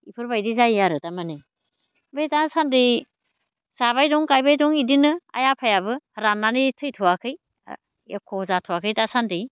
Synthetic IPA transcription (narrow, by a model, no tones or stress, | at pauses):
ipʰɯɾbajdizajaɾɯtamanɯj | bejtasandi | saβajduŋkajbajduŋidinɯa̰japʰajaβɯɾanːanitʰɯjtʰuwakʰɯj | ḛkʰːozatʰuwakʰɯjtasandi